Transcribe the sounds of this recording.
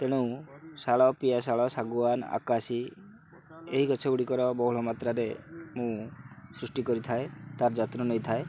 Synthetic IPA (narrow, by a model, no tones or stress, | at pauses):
t̪eɽ̃usaɭɔpijasaɭɔsaɡuana̰kasi | eɦikɔt͡ʃʰɔuɽikɔɾɔbɔɦuɭɔmat̪ɾaɾemũsɾusʈikɔɾit̪ʰaet̪aɾd͡ʒɔt̪ɾɔnejt̪ʰae